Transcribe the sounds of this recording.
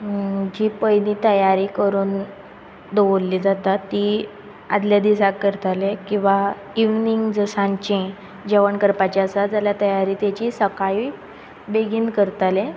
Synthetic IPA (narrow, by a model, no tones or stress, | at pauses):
d͡ʑiːpəjniːt̪əjaɾiːkəɾuːn | d̪oʋolːiːd͡zat̪at̪ːi | a̰d̪ljad̪isakːəɾt̪alekĩw̃ʋa | iʋniŋɡd͡zəsãɲt͡ɕẽ | d͡ʑeʋəɳkəɾpat͡ɕasad͡zaljat̪əjaɾiːt̪jat͡ɕiːsəkai | beɡʱiːnkəɾt̪alẽ